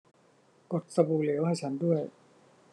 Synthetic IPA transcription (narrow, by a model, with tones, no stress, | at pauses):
ko˨˩t̪̚sa˧buː˨˩li˩˦wha˥˩jt͡ɕʰa˦˥ndu˥˩əj